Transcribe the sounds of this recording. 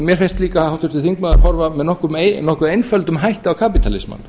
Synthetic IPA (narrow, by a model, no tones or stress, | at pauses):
mjɛɾ̥fɪnst̪liːkahawht̪ʰʏɾ̥t̪ɪθiŋk̚maːða̰ɾɦɔɾvamɛðnɔhkʏɾmenɔhkʏðejnfœlt̪ʏmɦajht̪ɪawkʰaːpit̪ʰalɪ̰sma̰n